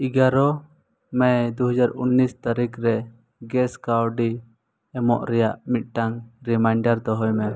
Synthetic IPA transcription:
iɡaɾɔ | mɛjd̪uɦɔd͡ʒaɾunːist̪aɾikɾɛ | ɡɛskawɖi | ɛmɔ̰ʔɾɛjaʔmit̪̚ʈaŋɾimajɳɖaɾd̪ɔɦɔjmɛ

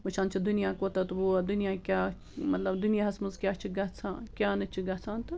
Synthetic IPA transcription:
ʋɐt͡ʃʰãːnt͡ʃʰid̪unijaːkot̪ɐt̪uʋod̪unijaːkʲaː | mɐt̪lɐbd̪unijaːɦɐsmɐzkʲjaːt͡ʃʰiɡɐt͡sʰãːkʲaːnɐt͡ʃʰiɡɐt͡sʰaːnt̪ɨ

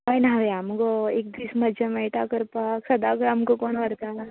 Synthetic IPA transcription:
ajnaʋeamkoeːk̚d̪iːsməd͡ʒemɛʈakəɾpaksɐd̪akɾamkokoːnʋəɾt̪a

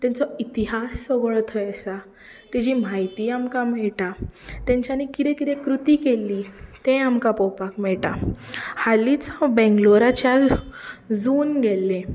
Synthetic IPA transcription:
t̪ãnt͡sɔit̪iɦasːəɡɭɔt̪ʰəjəsa | t̪ɛd͡ʑiːm̤ajt̪iːamkamɛɭʈat̪jãɲt͡ɕanikit̪ẽkit̪ẽkɾut̪iːkelːit̪ẽamkapɔwpakmɛɭʈahalit͡sabɛ̃ŋɡloɾat͡ɕjal | d͡zuːnɡelːẽ

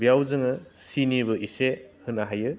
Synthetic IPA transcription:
bijawzɯŋɯsinibɯʔisehɯnaɦajɯ

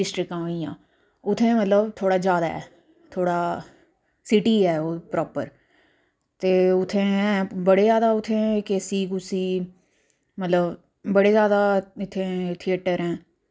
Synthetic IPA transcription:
ɪsʈɾɪkãːɦoːiːjã̰ː | ʊt̪ʰːẽːmət̪ləbt̪ʰoːɽaːd͡ʒjaːd̪a̰ːɛ̰ː | t̪ʰoːɽaː | sɪʈiːɛːoːpɾɔːpə̰ɾ | t̪eːʊt̪ʰːẽːɛ̃ːbəɽeːzjaːd̪aːʊt̪ʰːẽːkeːsiːkʊsiː | mət̪ləb | bəɽeːzjaːd̪aːɪt̪ʰːẽːt̪ʰɪjeːʈəɾɛ̃ː

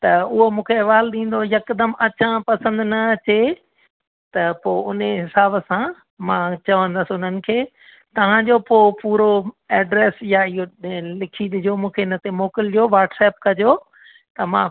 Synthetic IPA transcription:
t̪ɐʊɦomũːkʰeɐʋaːlɗĩːn̆d̪ojɐkd̪əmɐt͡ɕãpɐsə̃nd̪nɐt͡ɕe | t̪ɐpoːʊnɦɪsaːbəsã | mãt͡ɕɐʋə̃nd̪əsʊn̤ənɪ̆kʰeː | t̪ɐʋ̤ãd͡ʑoːpoːpuːɾoɛːɖɾeːsjaɪɦolɪkʰiɗ̪ɪd͡ʑomũːkʰeɪnət̪emoːkɪld͡ʑoʋaːɾʈsɛːp̚kɐd͡ʑoː | t̪ɐmãː

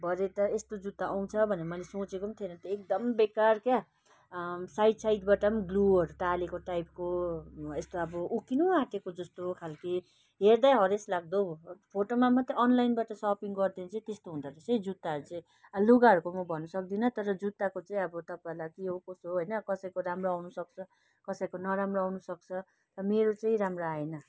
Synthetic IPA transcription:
bʱʌɾet̪ʌest̪od͡zut̪ːaʔaw̃t͡sʰʌbʱʌnemʌjlesõt͡sekomnt̪ʰinʌt̪ʌek̚d̪ʌmbekarkja | sajʈsajt̪baʈʌmɡluɦʌɾuʈ̪alekoʈajp̚koest̪oʌbʌʔukinuaʈekod͡zʌst̪okʰalki | ɦeɾd̪ajɦʌɾeslaɡ̚d̪opʰoʈomamʌt̪iʌnlajnbaʈʌsʌpiŋɡʌrd̪ent͡saĩt̪est̪oɦũnd̪aɾʌseĩd͡zut̪ːaɦʌɾut͡saĩ | aluɡaɦʌɾukomʌbʱʌnːʌsʌk̚d̪inʌt̪ʌɾʌd͡zut̪ːakot͡saĩʌbʌt̪ʌpaelakiɦokosoɦʌjnʌkʌsʌjkoɾamroawnusʌk̚t͡sʰʌ | kʌsʌjkonʌɾamroawnusʌk̚t͡sʰʌ | t̪ʌmeɾot͡saĩɾamraaenʌ

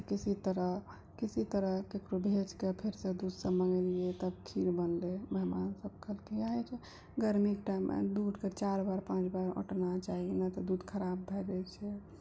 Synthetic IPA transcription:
kisit̪əɾəɦ | kisit̪əɾəɦkekɾobʱed͡ʒkepʰeɾsə̃d̪ud̪ʱsəməɡɛliet̪əbkʰiɾbənleməɦmansəb̚kʰəlkiaɦɛt͡ʃʰɛ | ɡəɾmikʈajmʔḛd̪ud̪ket͡ʃaɾbaɾpãt͡ʃbaɾo̰ʈnat͡ʃaɦinət̪ɔd̪ud̪kʰəɾabːʱɛd͡ʒɛt͡ʃʰɛ

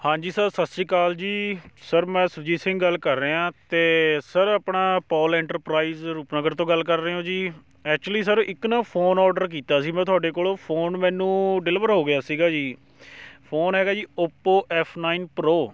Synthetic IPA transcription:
hãːd͡ʒiːsəɾsəsiːkaːld͡ʒiːsəɾmɛ̃ːsəɾd͡ʒiːsɪ̃ŋɡɡəlkəɾːeːãːt̪eːsəɾəːpɳaːpɔːlɛ̃ːɳʈəɾpɾaːiːzɾuːpnəɡəɾt̪õːɡəlkəɾːeːõːd͡ʒiː | ɛːk̚t͡ʃuliːs̬əɾɪknaːpʰoːnɔːɾɖəɾk̬iːt̪aːsiːmɛ̃ːt̪ʰʊaːɖeːkoːloːpʰoːnmɛ̃ːnũːɖɪlɪʋəɾɦoːɡɪjaːsiːɡaːd͡ʒiː | pʰoːnɦɛːɡaːd͡ʒiːopːoːʔɛːpʰnaːiːnpɾoː

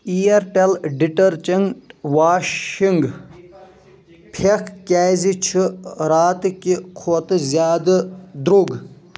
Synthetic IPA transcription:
ieɾʈelɖiʈɐɾt͡ʃɐŋʈʋaːʃiŋɡ | pʰekʰkʲaːzit͡ʃʰiɾaːt̪kikʰot̪ɨzʲjaːd̪ɨd̪ɾuɡ

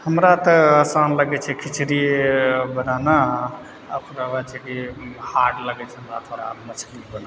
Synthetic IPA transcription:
həmɾat̪əəsanləɡɛt͡ʃʰɛkʰit͡ʃʰɾi | bənana | əpɾabat͡ʃʰɛkihaʈləɡɛt͡ʃʰɛɦəmɾat̪ʰoɾa̰mət͡ʃʰdibəna

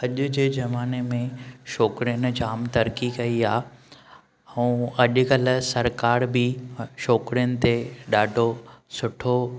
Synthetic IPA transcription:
ɐʄʊ̆d͡ʑeːd͡ʑɐmaːnemẽʃɔːkɾijənɪ̆d͡ʑaːmt̪ɐɾkikɐiaː | ɛũɐʄʊ̆kɐlʊ̆sɐɾkaːɾbɪʃɔːkɾijənɪ̆t̪eɗaːɖʱosʊʈʰo

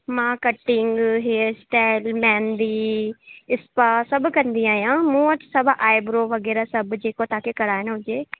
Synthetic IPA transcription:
mãːkəʈːɪŋɡɦeːsʈaːɪlmɛ̃ːnd̪iː | ɪspaːsəbkəɾnd̪ijãːjãːmũːət̪səbʔaːɪbɾoːʋəɡɛːɾaːsəbd͡ʒeːkõːt̪aːkekəɾaːenɦʊd͡ʒeː

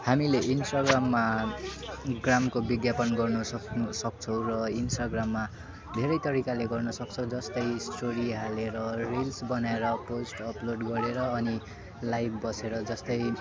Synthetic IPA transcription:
hamileʔinsʈaɡramːa | ɡramkobiɡjapʌnɡʌrnusʌksʌk̚t͡sʰʌ̃w̃rʌinsʈaɡramːa | d̪ʱeɾʌjt̪ʌɾikaleɡʌrnʌsʌk̚t͡sʰʌw̃d͡zʌst̪ʌjsʈoɾiɦaleɾʌrilsbʌnaeɾʌposʈʌploɖɡʌɾeɾʌːni | lajbbʌseɾʌd͡zʌst̪ʌj

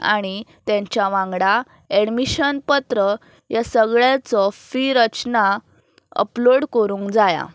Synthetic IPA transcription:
a̰ɽ̃it̪jãɲt͡ɕjaʋãŋɡɽa | eɽmiɕənpət̪ɾə | jasəɡɭjat͡sɔfiɾət͡ɕna | ə̰ploɽkəɾũːŋkd͡zaja̰

